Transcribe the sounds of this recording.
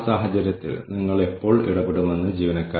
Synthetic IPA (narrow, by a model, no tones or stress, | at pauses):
saːɦɐt͡ɕɐɾjɐt̪ːḭlniŋːɐɭepːo̞ːɭḭɽɐpːiɽumːenːɨd͡ʑiːʋɐnɐkːaː